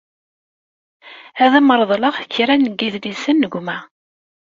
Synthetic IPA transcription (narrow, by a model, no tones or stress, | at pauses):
æðæməɾˤðˤləʁθçɾænɡiðlisənːəɡʷmæ